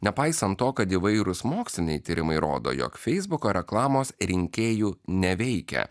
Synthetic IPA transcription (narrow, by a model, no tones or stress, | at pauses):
nʲɛpɐɪsɐnt̪ːoːkɐt̪iʋɐɪɾʊsmoːksʲlʲɪnʲɛɪt̪ʲiːɾʲɪmɐɪɾo̰ːd̪o̰ːjo̰ːkfʲɛɪzbʊkoːɾʲɛklˠɑːmoːsɾʲɪŋʲkʲeːjuːnʲɛʋʲɛɪkʲɛ̰